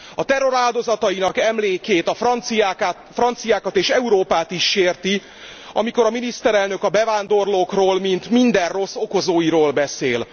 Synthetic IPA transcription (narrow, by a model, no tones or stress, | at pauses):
ɒt̪ɛrːo̞ɾaːld̪o̞zɒt̪ɒjinɒkɛmleːkeːt̪ɒfi | frɒnt̪sijaːkɒt̪eːʃɛuɾoːpaːt̪iʃːeːrt̪i | ɒ̰miko̞ɾɒminist̪ɛɾɛlnø̞kɒbɛvaːnd̪o̞rloːkroːlmint̪mind̪ɛrro̞sːo̞ko̞zoːjiɾoːlbɛsḛːl